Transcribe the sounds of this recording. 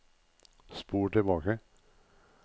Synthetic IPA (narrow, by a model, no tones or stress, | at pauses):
spuːʈɪbɑːkə